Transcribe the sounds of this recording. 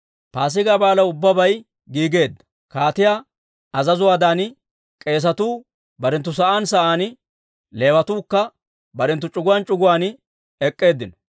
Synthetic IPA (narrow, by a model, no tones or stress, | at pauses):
paːs̬ɪɡaːbaːlɐʊbːɐbɐj | ɡiːɡe̞ːd̪ːɐ̥ | kaːt̪ɪjaː | ɐzɐzʊwaːd̪aːn | kʼe̞ːs̬ɐt̪uː | bɐɾɛnt̪ːʊs̬ɐʔaːnsɐʔaːn | le̞ːwɐt̪uːkːɐ | bɐɾɛnt̪̬ːʊt͡ʃʼʊɡʊwaːnt͡ʃʼʊɡʊwaːn | ɛkʼːe̞ːd̪ːɪnɔ̥